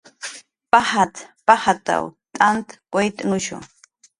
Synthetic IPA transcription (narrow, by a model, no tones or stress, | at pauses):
pahat̪pahat̪a̰wt̪ʼant̪kʷajt̪ʼŋʊʃo̰